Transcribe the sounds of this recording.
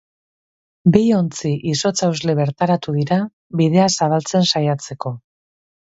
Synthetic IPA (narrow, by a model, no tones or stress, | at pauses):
bijo̞nt͡siʔiso̞t͡sawzle̞βe̞ɾt̪aɾat̪uðiɾa | βiðe̞asaβalt͡se̞nsajat͡se̞ko̞